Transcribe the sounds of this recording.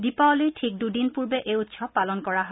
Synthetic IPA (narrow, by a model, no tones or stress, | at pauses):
dipaɔlojʈʰik̚dudinpuɹbeʔejut̪sʰɔpːalɔnkɔɹaɦɔ